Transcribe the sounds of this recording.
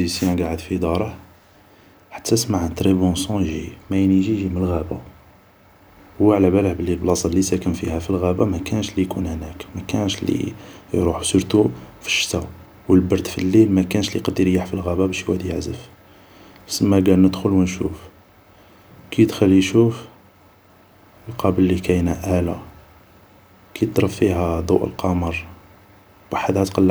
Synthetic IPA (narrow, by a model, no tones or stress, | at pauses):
isjænɡaʕəd̪fid̪ɑɾˤəh | ħḁt̪ʰːæsmaʕənt̪ɾebosɔ̃jʒimæjniʒiʒiməlɣæba | waʕlæʕbæləhbəlːilblɑsˤɑllːisækəmfihæfilɣæbæmækænʃlijkunhnækmækænʃlḭjɾˤuħu̥səɾt̪ufə̥ʃːt̪æ | wəlbɑɾˤd̪filːilmækænʃliqɑd̪iɾjaħfilɣæbæbæʃjwæd̪jəʕzəf | səmːæɡælnəd̪xʊlwənʃuf | kæjəd̪xælːiʃuf | lqɑbəlːikæjnæʔælæ̰ | kæjəd̪ɾˤəffiɦæd̪ˤuʔə̰lqɑməɾˤ | waħəd̪hæt̪qɑlː